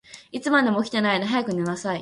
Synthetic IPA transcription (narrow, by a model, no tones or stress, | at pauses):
it͡sɨmad̪emokʲi̥t̪enainaɦajakɯ̟nenasai